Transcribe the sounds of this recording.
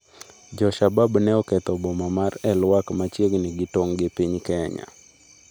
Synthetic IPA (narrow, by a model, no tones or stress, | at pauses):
d͡ʒɔʃababnɛɔkɛt̪ɔbɔmamarɛlwakmat͡ʃjeɡnɪɡɪtoŋɡɪpiɲkɛɲa̰